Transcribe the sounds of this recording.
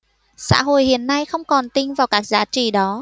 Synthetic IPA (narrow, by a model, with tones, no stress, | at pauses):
sa̰ː˧˥ɦo̰˧˨jhḭ˧˨ənːa˧jxə˧wŋ͡mkɔ˨˩nt̪ï˧ŋ̟vaː˨˩wkaː˦˥k̚zaː˨˦t͡ɕḭ˧˨ɗɔ˨˦